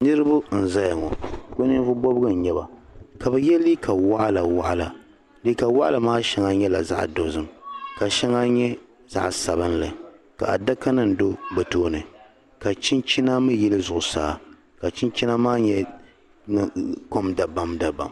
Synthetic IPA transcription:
nɨ˦ɾɨ˦bʊ˦n̩˨za˦ja˨ŋɔ˨ko˦nɨ˦vʊ˦bɔ˦bɨ˦ɡɨ˦˨n̩˨ɲɛ˦ba˨ka˨bɛ˨jɛ˦liː˦kʰa˨wa˦ʔla˨wa˦ʔa˦la˨ | li˦ka˨wa˦ʔa˦lɨ˨maː˦ʃɛ˦ŋa˦ɲɛ˦la̰˨za̰˦ʔdo˨zɨ˦mka˨ʃɛ˦ŋa˦ɲɛ˦ | z̥a̰˦ʔsa˨bɨ˦nlɨ˨ka̰˨a̰˨da˦ka˦nɨ˨n̩˨do˦bɨ˨toː˦nɨ˨ | ka˨t͡ʃi˦nt͡ʃi˦na˦mɨ˦jɛ˦lɨ˦zʊ˨ʔʊ˨saː˨˦˨ | ka˨t͡ʃi˦nt͡ʃi˦na˦maː˦ɲɛ˦ | n˦˨ko˦mda˨ba˦mda˨ba̰˨m

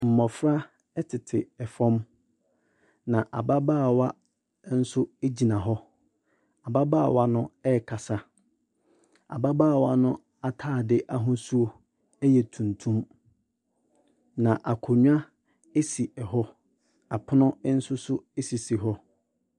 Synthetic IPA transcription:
m̩˨mɔ̃˨fɾa˦ | ɛ˦tʰɪ˨tʰɪ˨ɛ˨fɔ̃˦m | nã˨ʔa˨ba˦baː˦˨wa˦ | n̩˦sʊ˦e˦d͡ʑi˨nã˨ɦɔ˦ | a˨ba˦baː˦a˨wa˦nʊ̃˦ɛ˦˨kʰa˨sa˦ | a̰˨ba˦baː˦˨wa˦nʊ̃˦ | a˨tʰaː˦˨dɪ˦ʔa˦ɦʊ̃˦su˦o˦ | ɛ˦jɛ˨tʰũ˨ntʰũ˦m | nã˨ʔa˨kʰʊ˨ɲᶣ˦ã˦ | e˦si˨ɛ˨ɦɔ˦ | a˨pʰʊ˦nʊ̃˦n̩˦sʊ˦sʊ˦e˦si˨si˨ɦɔ˦

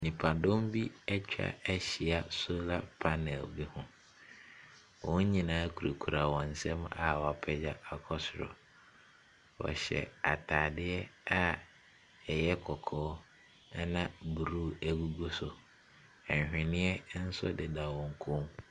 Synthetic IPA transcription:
nĩ˨pʰa˨dõ˦mbi˦ɛ˦t͡ɕᶣa̰˨ɛ˦ɕi˨a˨so˦la˦pʰa˦nɛ˨lbi˦hʊ̃˨ | wɔ̃˦ɲĩ˦˨nãː˨˦kʰu˨ɾe˨kʰu˨ɾa˨wɔ̃˨n̩˨sɛ̃˦ma̰˨wa˨pʰɛ˦d͡ʑa˦a˨kʰɔ˦sʊ˨ɾɔ̰˨ | wɔ̰˨ɕɛ̰˨a˨tʰaː˨dɪ˦ɛ˦a˦ | ɛ˨jɛ˦kʰɔ˨kʰɔː˦ | nã˦bu˨ɾu˦˨æ˨ɡu˦ɡo˦sʊ˨ | ɛ̃˨ɲ˨hᶣɪ̃˨nɪ̃˦ɛ˦n̩˦sʊ˦dɪ˨da˨wɔ̃˨ŋ˨kʰʊ̃˦m

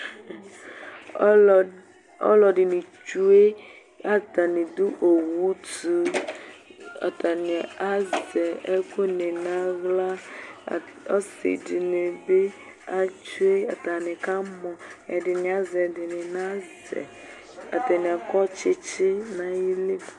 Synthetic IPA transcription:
ɔ̰˦lɔ˨ɖɪ˨ni˨t͡ʃu˦e˦ | a˨ta˨nĩ˨d̪u˦ʔo˨wu˦tu˦ | a̰˨t̪a˨n˨a˦zɛ˨ɛ˦ko˦ne˨nã˦ɣla˦˨ | ɔ˦sɪ̰˨di˨ne˨be˦ | a˨t͡ʃu˦e˦a̰˨t̪a˨nɪ˨ka˦mɔ̃˨ɛ˨dɪ˨nĩ˨a˦zɛ˨dɪ˨nɪ˨nã˦zɛ̰˨ | a̰˨t̪ɛ˨nĩ˨a˨kɔ˦t͡ʃɪ˦t͡ʃe˦nã˦ji˦le˦˨

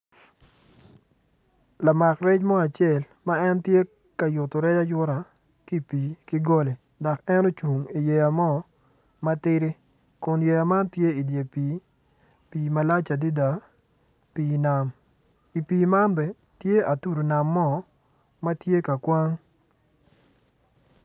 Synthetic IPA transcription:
la˨ma˨krɛ˦t͡ʃmɔ˦a˨t͡ʃje˦˨l | ma˦ɛ˦ntje˦ | ka˨jʊ˨to˨ɾɛ˦d͡ʒa˦jʊ˦ɾa˨ | ki˦piː˨ki˦ɡo˦le˨ | dɔ˨kɛ˦no˦t͡ʃu˨ŋi˨je˨ja˨mɔ˦ | ma˦tɪ˦ɾɪ˦ | kʊ˨nje˨ja˨ma˦ntje˦i˨dje˨piː˨ | piː˨ma˦la˦t͡ʃa˨di˦da˨ | pi˨na˦m | i˨piː˨ma˦nbɛ˨ | tje˦ʔa˨tu˦ɾo˨na˨mːɔ˦ | ma˦tje˦ka˨kwa˦ŋ

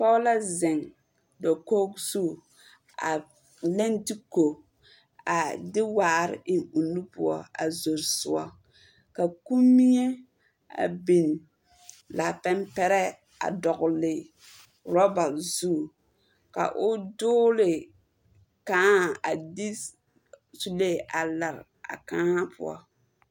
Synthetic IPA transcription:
pɔ˦la˦zɪ˨ŋ | dɔ˨ko˦ksu˦˨ | a̰˨ | lɛ˦nti˦ko˨ | a˨dɪ˦waː˨ɾɪ̰˨ʔɪ˨ŋu˨nːu˦pʊ˦ɔ̰˦a̰˨zo˨ɾsʊ˦ɔ̰˦ | ka˨ku˦mːi˦ɲɛ˦ | a̰˨bi˨n | la˨pɛ˦mpɛ˦ɾɛ˦ | a̰˨dɔ˨ɣʊ˨lɪ˨ | ɾɔ˦ba˨zu˦˨ | ka̰˨ʔʊ˦dʊː˦lɪ˨ | kãː˦˨a˨dɪ˦ | su˦le˦˨ʔa˨la˨ɾ | a̰˨kaː˦ha˦pʰʊ̰˦ɔ̰˦˨

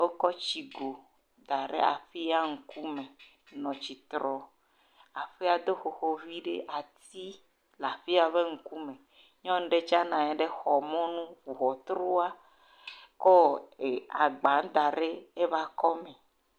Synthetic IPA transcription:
wo˦kɔ˦t͡ʃi˨ɡo˨ | d̪a˨ɖḛ˦a̰˨fi˦a˦ŋ̩˨ku˦mẽ˨ | nɔ̃˨t͡ɕi˨t̪ɾɔ˨ | a˨fi˦a˨d̪o˦xo˨xo˦vi˦ɖḛ˦ʔa˨t̪i˦ | la˨fi˦a˨βe˦ŋ̩˦ku˦mẽ˨ | ɲɔ̃˦ŋ˦ɖe˦t͡ʃa˦nã˨ɲe˨ɖe˦xɔ˨mɔ̃˦nũ˦ɸu˨ɦɔ˨t̪ɾo˦a˦ | kɔ˦e˨a˨ɡ͡ba˨˦n˦d̪a˨ɖe˦e˦va˦kɔ˦mẽ˨

